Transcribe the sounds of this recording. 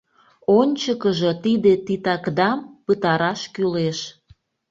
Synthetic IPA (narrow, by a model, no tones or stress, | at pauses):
onʲt͡ɕəkəʒət̪id̪et̪it̪ɑkd̪ɑmpət̪ɑɾɑʃkyleʃ